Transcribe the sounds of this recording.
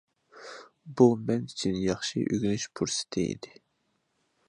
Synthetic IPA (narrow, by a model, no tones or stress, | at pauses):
bumɛnit͡ʃʰinjɑχʃḭʔøɡʲynyʃpʰuɾsɪ̥t̪ʰɪḭd̪ɪ